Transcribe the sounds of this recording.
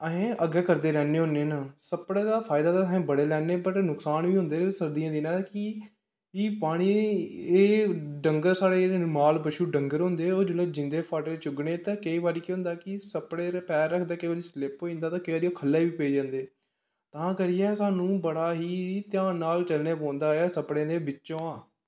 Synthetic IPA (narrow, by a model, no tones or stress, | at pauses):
əẽːʔəɡɛːkəɾd̪eːɾɛːneːɦõnːeːnaːsəpɽeːd̪aːpʰaːɪd̪aːt̪ãːsẽːbəɽeːlɛːneːbəʈnʊksaːnʋiːɦʊ̃ːnd̪eːsəɾd̪ijãːd̪iːnaːkɪ | iːpaːɽ̃iːeːɖəŋɡəɾsaːɽeːmaːlbəʃuːɖəŋɡəɾɦõːnd̪eːoːd͡ʒʊleːd͡ʒɪ̃nd̪eːpʰaːʈeːt͡ʃʊɡɳeːt̪ãːkəiːʋaːɾiːkːɦʊ̃nd̪aːkɪsəpɽeːɾpɛːɾːəkʰd̪aːkəiʋaːɾiːslɪpɦoːĩnd̪aːt̪ãːkəiʋaːɾiːoːkʰəlːeːʋiːpeːd͡ʒãːnd̪eː | t̪ãːkəɾɪjɛːsaːnũːbəɽaːɦiːt̪ɪjãːnːaːlt͡ʃəlneːp̬ɔ̃ːnd̪aːɛːsəpɽẽːd̪eːbɪt͡ʃːõːãː